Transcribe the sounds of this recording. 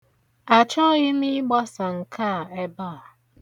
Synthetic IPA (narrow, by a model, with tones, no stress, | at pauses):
a˨t͡ʃɔ˦ɣɪ˦mi˦ɡ͡ba˦sa˨ŋ̩˨kʰa˦˨e˦ba˦a˨